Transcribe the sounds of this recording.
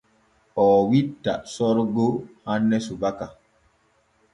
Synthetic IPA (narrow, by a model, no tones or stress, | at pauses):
ɔːwitːa̰sɔɾɡohanːɛsubaka